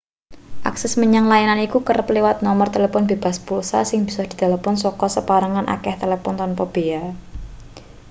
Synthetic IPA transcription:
ʔa̰ksɛsməɲaŋlajananikukərplewat̪̚nɔmərt̪elefɔnbeb̥a̤spulsa̰sɪŋb̥i̤sɔhd̪̥i̤d̪̥a̤lapɔnsɔkɔsəpaɾaŋanʔa̰kɛht̪elepɔnt̪ɔnpɔb̥ea

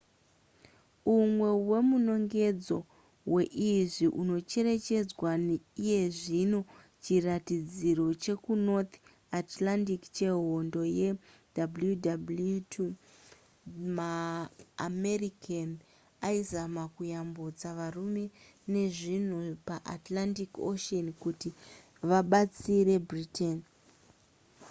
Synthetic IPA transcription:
umwe̞we̞muno̞ŋɡe̞d͡zo̞ | we̞ʔiʐiʔuno̞t͡ʃe̞ɾe̞t͡ʃe̞d͡zwaneije̞ʐino̞ | t͡ʃiratid͡ziɾo̞t͡ʃe̞kuno̞t̪ | atlandikt͡ʃeɦo̞ndo̞je̞ | dabljudab | maː | me̞rikan | aizamakujambod͡zaʋarume̞ne̞ʐin̤upaʔatlantikoʃonkuti | ʋaɓat͡siɾe̞britʰen

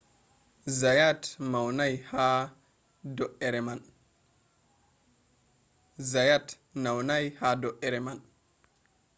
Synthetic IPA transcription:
zajatmawnajha | doʔeɾeman | zajat | nawnajhadoʔeɾeman

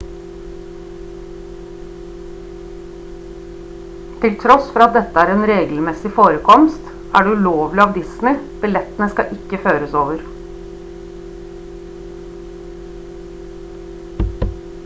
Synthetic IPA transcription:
t̪ʰɪlt̪ʰɾɔsfɔɾɑt̪̚d̪ɛt̪əæːɾeːnɾeːɡl̩mɛsɪfoːɾəkʰɔmst̪ | ʔæːɖʉloːʋlɪɑːʋd̪ɪsnɪb̥ɪlɛt̪ənəskɑ̰ʔɪkəføːɾəsoːʋəɾ

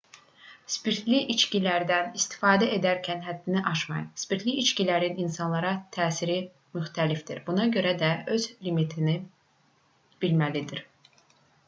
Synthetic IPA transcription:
spiɾt̪ʰliʔit͡ʃcilæɾd̪ænist̪i̥fɑːd̪æe̞d̪æɾcʰænɦæd̪ːiniʔɑʃmɑ̰jɑ̰spiɾt̪ʰliit͡ʃcilæɾininsɑnlˠɑɾɑt̪ʰæːsiɾi | myxt̪ʰælifd̪iɾbunɑɟø̞ɾæd̪æø̞z̥limit̪ʰini | b̥ilmælid̪iɾ

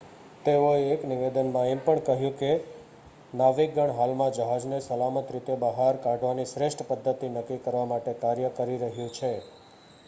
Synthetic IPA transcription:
t̪eoeːkniʋed̪ənmãempəɳkəɦjũke | naʋiɡəɳɦalmãd͡ʒəɦad͡ʒnesəlamət̪ɾit̪ebəɦaɾkaɖʋanisɾeʃʈʰəpəd̪ʱːət̪inəkːikəɾʋamaʈekaɾjəkəɾiɾəɦjũt͡ʃʰe

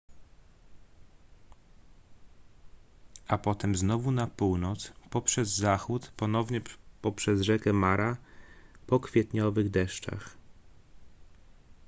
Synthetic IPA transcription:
apɔt̪ɛmznɔvunapuwnɔt̪spɔpʂɛzːaxut̪pɔnɔvɲɛpɔpʂɛzʐɛkɛmaɾa | pɔkfʲjɛt̪ɲɔvɘɣd̪ɛʂt͡ʂa̰x

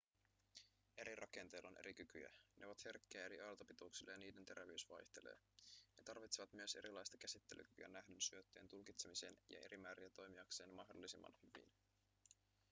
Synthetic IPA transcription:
e̞ɾirɑke̞nt̪e̞ːlonʔe̞̰ɾik̟yky̰jæ̰neoʋɑt̪he̞rkːeæeɾiʔɑlt̪ɑpit̪ouksilːejɑniːde̞nt̪e̞ɾæʋeysʋɑjçt̪e̞le̞̰ː | ne̞t̪ɑrʋit̪seʋɑt̪myøse̞ɾʔilɑjst̪ɑ̥k̟æsit̪ːe̞ly̰kyky̰ænæɦdynsyøt̪ːøjːnt̪ulkit̪semise̞ːnjɑ̰ʔe̞ɾimæːɾiæt̪o̞jmiɑkse̞ːnmɑɦdo̞̰lːisimːɑ̰nhyʋḭn

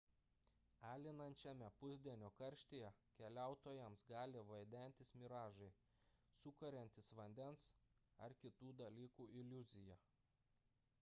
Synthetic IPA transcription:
æːlʲɪnɐnʲt͡ʃʲɛmʲɛpʊzʲd̪ʲiɛnʲoːkɐɾʲʃʲt̪ʲejɛkʲɛlʲæˑʊt̪oːjɛmsɡɑːlʲɪʋɐɪd̪ʲɛˑnʲt̪ʲɪsmʲɪɾɑːʒɐɪ | sʊkɐɾʲɛnʲt̪ʲɪsʋɐnʲd̪ʲɛnsɐɾkʲɪt̪uːd̪ɐlʲiːkuːʔɪlʲʊzʲɪjɛ

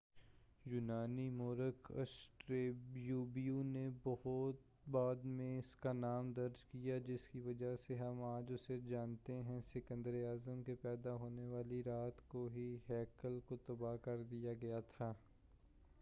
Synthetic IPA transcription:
jʊnaːnimoːɾəkɐ̰sʈɾeːbjuːbijunebɔɦʊt̪ | baːd̪mẽɪskanaːmd̪ɐɾd͡ʒkijad͡ʒɪskiʋɐd͡ʒaseɦɐmaːd͡ʒʊsed͡ʒaːnt̪eɦɛ̃sɪkə̃nd̪əɾiaːzəmkepɛːd̪aɦoːneʋaːliɾaːt̪koɦiɦɛːkəlkot̪ɐbakɐɾd̪ijaɡɐjat̪ʰaː

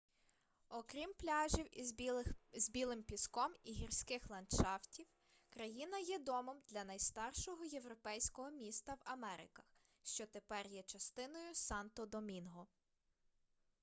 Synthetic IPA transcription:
ɔkɾʲimplʲɑʒʲiw | zbʲilˠɪmpʲiskɔmiɦirsʲkɪxlˠɐnʃɑwtʲiw | kɾɐjinɐjɛd̪ɔmɔmd̪lʲɐnɐjst̪ɑrʃɔɦɔje̞wɾɔpɛjsʲkɔɦɔmʲist̪ɐwɐmɛɾɪ̰kɐx | ʃt͡ʃɔt̪epɛrjɛt͡ʃɐst̪ɪnɔjʊsɑnt̪ɔd̪ɔmʲinɦɔ

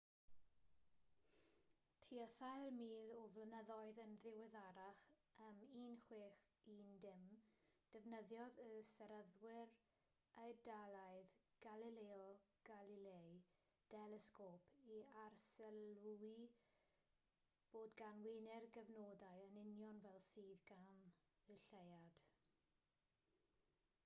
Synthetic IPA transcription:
tʰiəθajrmiːlɔvlənəðɔɨðənðɪwɪðaɾaχəmiːnχweːχindɪmd̥ɛvnəðjɔðəsɛɾəðwɪɾ | ajdalˠaɨðɡ̥alileɔɡ̥alilej | d̥ɛlɛskoːpʰiarsɛlui | b̥oːdɡanwɪnɛrɡəvnoːdaɨənɪnjɔnvɛlˠsiːðɡam | ɨɬejad̥

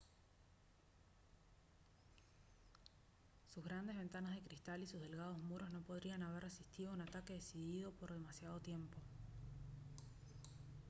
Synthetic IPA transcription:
suzɣɾand̪e̞zβe̞nt̪anazð̞e̞kɾist̪alisuzðe̞lɣað̞o̞zmuɾozno̞po̞ð̞ɾianaβ̞erresist̪iðo̞unat̪ake̞ðesiðiðo̞po̞ɾð̞e̞masjað̞o̞t̪je̞mpo̞

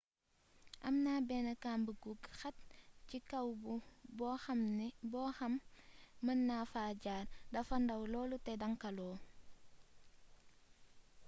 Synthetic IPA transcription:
ʔɐmnaːbɛnɐkaːmbəɡuɡxɐt̚cikɐwbmbɔxɐmː | ɐnːafaːɟaːrdɐfɐndɐwlɔːlutɛdɐŋkɐlɔː

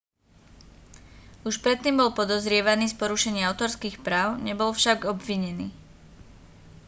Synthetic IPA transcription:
uʃpɾɛt̪ːiːmbɔlpɔd̪ɔzɾɪɛʋaniːspɔɾuʃɛɲɪaaʊt̪ɔɾskiːxpɾaːʊɲɛbɔlfʃaɡɔbʋiɲɛniː

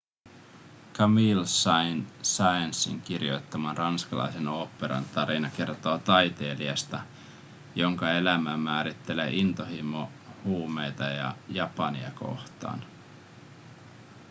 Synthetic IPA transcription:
kɑmilsɑnsɑjɑnsːḭŋk̟irijo̞̰jt̪ːɑmɑnrɑnskɑlɑ̰jse̞no̞ːpːe̞ɾɑ̰nt̪ɑɾinɑke̞rt̪o̞ːt̪ɑjt̪e̞ːliɑst̪ɑ | jo̞ŋkɑe̞læmæmæːɾit̪ːe̞leʔint̪oɦimo | huːme̞jt̪ɑjɑ̰jɑpɑniɑ̰ko̞̰ht̪ɑ̰ːn

